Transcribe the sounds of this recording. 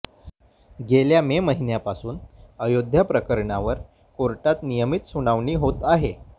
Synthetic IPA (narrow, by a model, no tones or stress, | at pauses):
ɡeljameməɦinjapasuːnəjod̪ʱjapɾəkəɾɳaʋəɾ | koɾʈat̪nijəmit̪suɽ̃aʋɳiːɦot̪aɦe